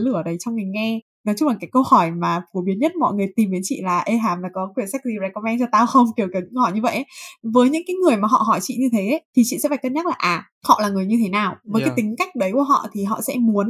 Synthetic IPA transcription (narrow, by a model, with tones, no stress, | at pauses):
lʔəː˧˩ɗə˨˦jt͡ɕwŋ͡mŋi˨˩ŋ̟ŋɛ˧ | nɔ˨˦jt͡ɕʊ˧ŋ͡mlaː˨˩kːaː˨˦jkə˧whɔ˧˩jmaː˨˩fu˨˦ɓi˨˦ənɲə˦˥t̚mɔ̰˧˨jŋɨ˨˩əjt̪i˨˩mɗi˨˦nt͡ɕḭ˧˨laː˨˩ʔe˧ɦaː˨˦mlaː˨˩kɔ˨˦kwi˧˩ənsa˦˥k̚zi˧za˧jkɔ˧mɛ˧nt͡ɕɔ˧t̪aː˧wxə˧wŋ͡mki˨˩ə˩wkə˨˦ɲɨ̰˧˥ŋhɔ˧˩jɲɨ˧və̰˧˨jʔə˨˦vəː˨˦jɲɨ̰˧˥ŋkaː˨˦jŋɨ˨˩əjmaː˨˩ɦɔ̰˧˨ɦɔ˧˩jt͡ɕḭ˧˨ɲɨ˧t̪ʰe˨˦ʔe˨˦t̪ʰi˨˩t͡ɕḭ˧˨sɛ̰˧˥faː˨˩jkə˧nɲə˦˥t̚laː˨˩ʔaː˨˩ | hɔ̰˧˨laː˨˩ŋɨ˨˩əjɲɨ˧t̪ʰe˨˦naː˨˩wvəː˨˦jka˨˦t̪ï˨˦ŋ̟ka˦˥jk̟̚ɗə˨˦jku˧˩əɦɔ̰˧˨t̪ʰi˨˩ɦɔ̰˧˨sɛ̰˧˥mu˨˦ən